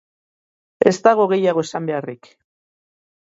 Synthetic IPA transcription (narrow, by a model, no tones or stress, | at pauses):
e̞st̪aɣ̞o̞ɣ̞e̞jaɣ̞o̞esambe̞arik